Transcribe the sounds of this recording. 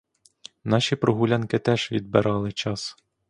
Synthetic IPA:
nɑʃʲipɾɔɦʊlʲɑnkɪt̪ɛʒ̥ʋʲid̪̚bɪɾʔɑlˠɪt͡ʃɑs

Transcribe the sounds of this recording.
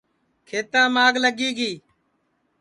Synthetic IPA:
kʰeːt̪ãːmaːɡləɡiːɡiː

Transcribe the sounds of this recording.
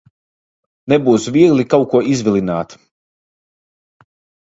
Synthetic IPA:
nɛbuːsvʲiɡlikawkuɔʔizvʲilʲˠinaːt̪

